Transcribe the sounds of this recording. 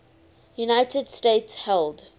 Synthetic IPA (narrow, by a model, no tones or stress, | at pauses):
junaɪtəd̥steɪtshɛlˠd